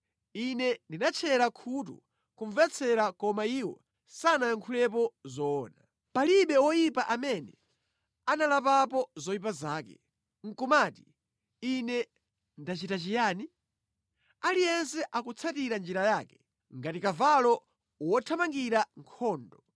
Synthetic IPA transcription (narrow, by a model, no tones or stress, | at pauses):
inɛndinat͡ʃʰɛɾakʰut̬ṵ | kuɱvɛt͡sʰɛɾakɔmaiwɔ̰ | sanajaŋkʰulɛp̬ɔzɔːna | paliɓɛwɔjipaʔamɛnɛ | analapap̬ɔzɔjipazaːkɛ̰ | ŋ̩kumaːti̥ | inɛ | ndat͡ʃitat͡ʃijaːni | alijɛnsɛʔakut͡sʰatiɾand͡ʒiɾajaːkɛ̥ | ŋɡatikavalɔ | wɔtʰamaŋɡiɾaŋkʰɔːndɔ